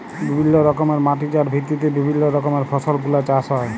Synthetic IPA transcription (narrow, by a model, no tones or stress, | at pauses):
bibʱinːoɾɔkomeɾmaʈid͡ʑaɾbʱit̪ːit̪ebibʱinːoɾɔkomeɾfʰɔsolɡulat͡ɕaʃɦɔe